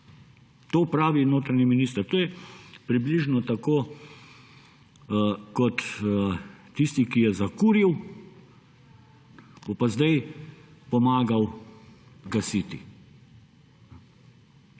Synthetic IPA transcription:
t̪oːpɾaːʋinoːt̪ɾaniminist̪əɾt̪oːjɛpɾibliʒnɔt̪akoː | kɔt̪ | ist̪ikijɛzakuːɾiw | b̥opazd̪ajpɔmaːɡaw | ɡɐsiːt̪ḭ

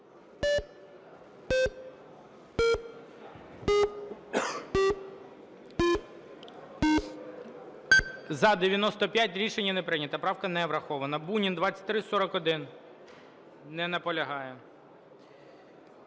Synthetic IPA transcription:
zɐd̪eʋʲjɐnɔst̪ɔpʲjatʲɾʲiʃenʲːɐnɛpɾɪnʲɐt̪ɐpɾɑwkɐnɛʋɾɐxɔʋɐnɐbunʲind̪ʋɑtt͡sʲɐ̥tʲt̪ɾɪsɔɾɔkɔd̪ɪn | nɛnɐpɔlʲɐɦɑjɛ

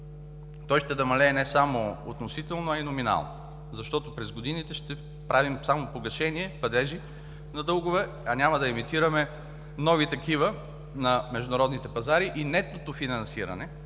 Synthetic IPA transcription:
t̪ɔjʃt̪ɛd̪ɐmɐlɛːnɛsamoot̪nosit̪ɛlˠnoɐinomina̰lˠno̰ | zɐʃt̪ɔt̪ʊpɾɛzɡod̪init̪ɛʃt̪ɛ | pɾʔavimsamopoɡɐʃɛniɛpɐd̪ɛʒi | nɐd̪ɤlˠɡʊvɛ | ɐnʲamɐd̪ɐɛmit̪iɾəmɛ | nɔvit̪ɐkivə | nɐmɛʒd̪ʊnɐɾɔd̪nit̪ɛpɐzaɾiʔinɛt̪ot̪ofinɐnsiɾɐ̰nɛ

